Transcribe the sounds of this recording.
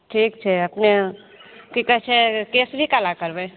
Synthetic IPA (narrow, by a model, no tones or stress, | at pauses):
ʈʰiːkt͡ʃʰeɐpne | kikət͡ʃʰekeːsbʱikalakəɾbẽ